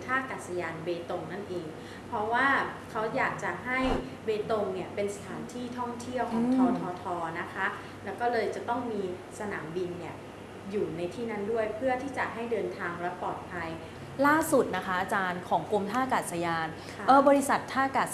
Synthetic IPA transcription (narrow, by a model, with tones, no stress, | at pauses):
t̪ʰaː˥˩kaː˨˩sa˧jaː˧nbeː˧t̪o˧ŋna˥˩nʔeː˧ŋ | pʰɾɔ˦˥waː˥˩kʰa˦˥wjaː˨˩k̚t͡ɕa˨˩ɦa˥˩j | beː˧t̪o˧ŋni˥˩ɐpe˧nsa˧t̪ʰaː˩˦nt̪ʰiː˥˩t̪ʰɔ˥˩ŋt̪ʰi˥˩əwkʰɔː˩˦ŋt̪ʰɔː˧˥t̪ʰɔː˧t̪ʰɔː˧na˦˥kʰa˦˥ | lɛː˦˥wkɔː˥˩lɤː˧jt͡ɕa˨˩t̪ɔ˥˩ŋmiː˧ | sa˧na̰ː˩˦mbi˧nːi˥˩ɐ | juː˨˩na˧jt̪ʰiː˥˩na˦˥˩ndu˥˩əjpʰɯ˥˩ɐt̪ʰiː˥˩t͡ɕa˨˩ʔɦa˥˩jdɤː˧nt̪ʰaː˧ŋlɛ˦˥pɔː˨˩t̪̚pʰa˧j | laː˥˩su˨˩t̪̚na˦˥kʰa˦˥ʔa˧t͡ɕaː˧nkʰɔː˩˦ŋku˧mt̪ʰaː˥˩kaː˨˩t̪̚sa˧jaː˧n | ʔɤː˧˩bɔː˧ɾi˦˥sa˨˩t̪ʰːaː˥˩kaː˨˩